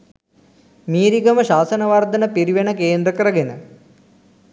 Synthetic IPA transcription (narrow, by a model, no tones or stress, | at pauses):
miːɾiɡɐmɐɕaːsɐnɐʋard̪ɐnɐpiɾiʋenɐkeːnd̪ɾɐkɐɾɐɡenɐ̰